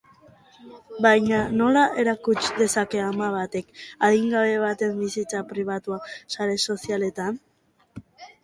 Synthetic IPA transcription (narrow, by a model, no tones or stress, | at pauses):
bajɲano̞laʔe̞ɾakut͡ʃd̪e̞sake̞amaβ̞at̪e̞kaðiŋɡaβe̞β̞at̪e̞mbisit͡sapɾiβ̞at̪uasaɾe̞so̞siale̞t̪an